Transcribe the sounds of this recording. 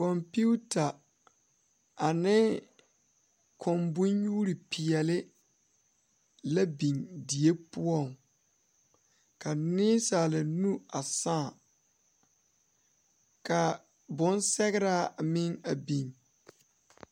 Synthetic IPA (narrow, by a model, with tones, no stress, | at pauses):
kɔ˨mpi˦u˦ta˨ | a˨nɪ˦ | kʰɔ˨mbʊ˦ɲjuː˦ɾi˨pʰi˨ɛ˨lɪ˦ | la˦bi˨ndi˨e˦pʊ˦ɔ˦˨ŋ | ka˨nɪː˦saː˨la˨nu˦a˨sãː˦˨ | ka˨ | bʊ˦nsɛ˦ɣɪ˦ɾa˦mɪ˦ŋa˨bi˨n